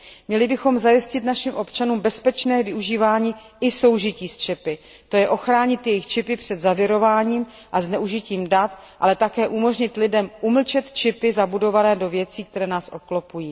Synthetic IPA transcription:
mɲɛlɪbɪxo̞mzajɪscɪt̪naʃɪmʔo̞pt͡ʃanuːmbɛspɛt͡ʃnɛːvɪuʒiːvaːɲiː | ɪso̞wʒɪciːst͡ʃɛpɪ | t̪o̞jɛʔo̞xɾaːɲɪt̪jɛjɪxt͡ʃɪpɪpr̝̥ɛd̪zavjɛɾo̞vaːɲiːm | ʔaznɛuʒɪciːmdat̪ʔalɛt̪akɛːʔumo̞ʒɲɪt̪lɪdɛmʔuml̩t͡ʃɛt̪t͡ʃɪpɪzabudo̞vanɛːdo̞vjɛt͡siːk̚t̪ɛɾɛːnaːsʔo̞klopujiː

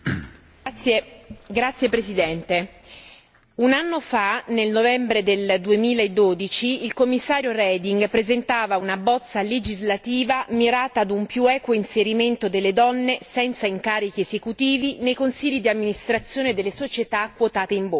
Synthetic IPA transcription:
ɡɾat̪sːjepɾesid̪ɛnt̪e | unanːofanelnovɛmbɾed̪eld̪uemiːlaed̪ːoːd̪it͡ʃiːlkomːisːaːɾjoɾɛd̪iŋɡpɾezent̪aːvaunabɔt̪sːaled͡ʒizlat̪iːvamiɾaːt̪aːd̪umpjuɛːkwoinseɾiment̪od̪elːed̪ɔnːesɛnt̪saiŋkaːɾik̟iezekut̪iːvinejkonsiʎːid̪iamːinist̪ɾat̪sːjoːned̪elːesot͡ʃet̪akːwot̪aːt̪eiɱbo

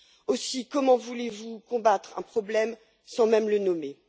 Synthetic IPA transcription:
osikɔmɑ̃vulevukɔ̃bat̪χɛ̰̃pχɔblɛm | sɑ̃mɛmlənɔme

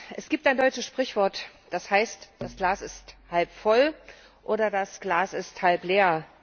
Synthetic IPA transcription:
ʔɛsɡ̥iːp̚taɪndɔʏt͡ʃəsʃpʁ̥ɪçv̥ɔɐtd̥ashaɪstd̥asɡ̥laːsɪsthalpfɔl | ʔoːɾɐdasɡ̥laːsɪsthalpleːɐ

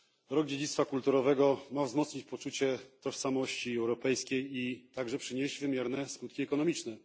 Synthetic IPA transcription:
ɾɔɡd͡ʑed͡ʑit̪t̪fakult̪uɾɔvɛɡɔmavzmɔt̪sɲit͡ɕpɔt͡ʂut͡ɕɛt̪ɔʂsamɔɕt͡ɕiɛwɾɔpɛjskʲejit̪aɡʐɛpʂɘɲeʑd͡ʑvɘmʲjɛɾnɛskut̪kʲiɛkɔnɔmʲit͡ʂnɛ

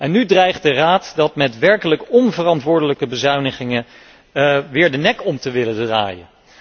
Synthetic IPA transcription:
ʔɛnːydrɛjχt̚dəraːtdɑtmɛtʋɛɹkələkɔnvərɑntʋʊːɹdələkəbəzœɥnəχɪŋə | ʋɪːɹdənɛkɔmtəʋɪlədra̰ːjən

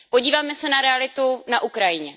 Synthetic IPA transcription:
poɟiːvaːmɛsɛnaɾɛalɪt̪unaʔukɾajɪɲɛ

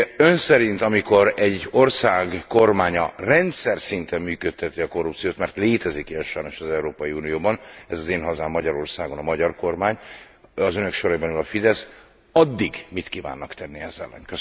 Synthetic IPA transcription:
ønsɛɾint̪ɒmiko̞ɾɛɟo̞rsaːɡko̞rmaːɲɒrɛnt̪sɛrsint̪ɛmːyːkøt̪ʰːɛt̪iɒko̞rːupt̪sijoːt̪mɛrt̪leːt̪ɛzikiɛʃɒjno̞ʃɒzɛuɾoːpɒjiuːnijoːbɒnɛzɒzeːnɦɒzaːmːɒɟɒɾo̞rsaːɡo̞nɒmɒɟɒrko̞rmaːɲ | ɒzønøkʃo̞ɾɒibɛnylɒfid̪ɛs | ɒd̪ːiɡmit̪kiva̰ːnːɒkt̪ɛnːiɛzɛ̰lːɛ̰nkøs

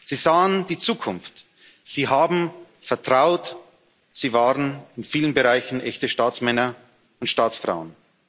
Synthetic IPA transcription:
z̥iːzaːənd̥iːt͡suːkʰʊnft | z̥iːɦaːbm̩ | fɛɐtʁ̥aʊt | z̥iːvaːʁənɪnfiːlənbəʁaɪçn̩ʔɛçtəʃtaːt͡smɛnɐ | ʊntʃtaːt͡sfʁ̥a̰ʊən

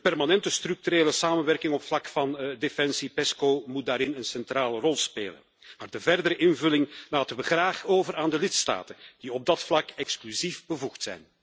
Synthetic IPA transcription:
dəpɛrmanɛntəst̪ryk̚tyɾeːləsaːmənʋɛrkɪŋɔpflɑkfɑndefɛnsipɛskoːmut̚daːɾɪnənsɛntraːlərɔlˠspḛːlə̰n | maːrdəvɛrdəɾəʔɪnvɵlɪŋlaːtənʋəɣraːχoːvəɾaːndəlɪtsta̰ːtənd̥iɔb̚dɑtflɑkɛksklyzifbəvuxtsɛ̰jn

